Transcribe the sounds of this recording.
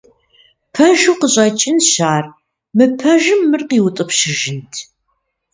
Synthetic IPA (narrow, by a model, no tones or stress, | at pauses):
pʰɐʒuqəɕʼɐt͡ʃʼɪnɕaːr | mɨpʰɐʒɨmːɨrqiːwʊtʼɨpʃɪʒɪntʰ